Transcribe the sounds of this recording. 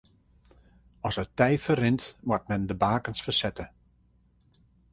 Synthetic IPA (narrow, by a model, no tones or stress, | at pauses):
ɔsətɛjfərɪntmat̚mɛndəbaːkənsfəsɛtə